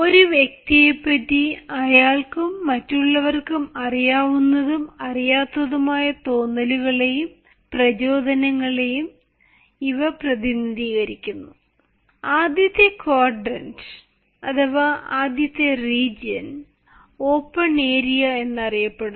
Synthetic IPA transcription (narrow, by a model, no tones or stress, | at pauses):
o̞ɾuʋjek̚t̪ijepːɐtːiɐjaːɭkumːɐtːuɭːɐʋɐrkumɐrijaːʋunːɐðumɐrijaːt̪ːɐðumaːjɐt̪o̞ːnːɐluɣɐɭe̞jum | prɐt͡ɕo̞ːd̪ʱɐnɐŋːɐɭe̞jum | iʋɐprɐðinid̪ʱiːɣɐɾikʲːunːu | aːd̪ʱjɐt̪ːɐkoːrɖɐnd | ɐt̪ʰɐʋɐaːd̪ʱjɐt̪ːeriːd͡ʑɐn | o̞ːpːɐɳeːɾijɐe̞nːɐrijɐpːeɽɨ